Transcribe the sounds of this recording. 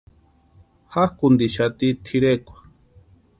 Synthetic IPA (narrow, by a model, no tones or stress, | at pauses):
hahkund̪iʃat̪it̪ʰiɾekʷḁ